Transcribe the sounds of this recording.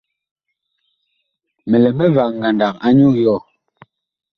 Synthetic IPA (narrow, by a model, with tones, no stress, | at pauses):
mɛ˨lɛ˨mɛ˦va˨ŋɡa˨nda˨k̚a˦ɲu˦jɔ˦˨